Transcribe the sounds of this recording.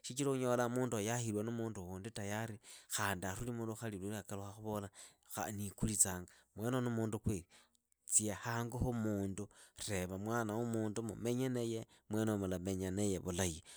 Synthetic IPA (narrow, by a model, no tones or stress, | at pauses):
ʃit͡ʃiloxuɲo̞lamuːndojaxiɾwanumuːnduwuːnditajaɾixaːndiarulimuːnduxalililiakaloxaxuβo̞la | a̰nikulit͡saːŋɡamwe̞no̞numuːndukwei | t͡siehaːŋɡuxumuːndure̞βamwaːnawumuːndumṵme̞ɲenejemwenomulame̞ɲanejeβulaji